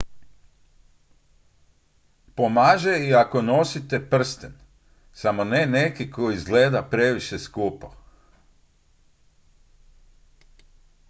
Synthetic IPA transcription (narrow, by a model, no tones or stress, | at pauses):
pomaːʒeiakono̞sit̪e̞pr̩st̪en | samo̞nene̞kiko̞izɡle̞ːd̪apɾe̞ʋiʃeskuːpo̰